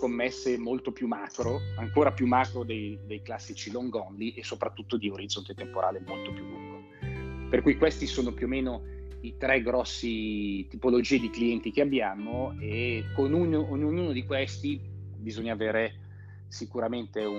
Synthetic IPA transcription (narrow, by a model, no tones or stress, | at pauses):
komːɛsːemolt̪opjumaːkɾoaŋkoːɾapjumːaːkɾod̪ejd̪ejklasːit͡ʃiloŋɡɔnliʔesopɾat̪ːut̪ːod̪ioɾid̪zont̪et̪empoɾa̰ːlemolt̪opjulːuŋɡo | perkujkwest̪isoːnopjuomːeːno | it̪ɾɛɡɾɔsːit̪ipolod͡ʒiːed̪ikliɛnt̪ik̟eabːjaːmoekonunoːnːoɲːuːnod̪ikwɛst̪i | bizoɲːaːveːɾe | sikuɾament̪eu